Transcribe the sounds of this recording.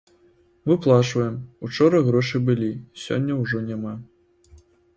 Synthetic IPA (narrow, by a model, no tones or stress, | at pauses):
mɨplˠaʂvɐjɛmut͡ʂɔɾɐɣɾɔʂɨbɨlʲisʲɔ̰nʲːɐwʐɔnʲama